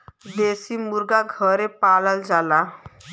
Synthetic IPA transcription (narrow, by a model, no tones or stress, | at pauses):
d̪esiːmuɾɡaɡʱəɾepaləld͡zala